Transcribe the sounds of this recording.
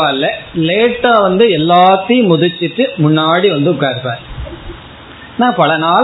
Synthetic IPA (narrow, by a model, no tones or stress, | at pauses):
aːlːɐleːʈːaːʋɐnd̪ɯɛlːaːt̪ːɐjɯ̃mʊðɯt͡ʃːɪʈːɯmʊɳːaːɽiʋɐnd̪ɯʊkːaːɾɯpːa̰ːɾ | naːpɐlɐnaː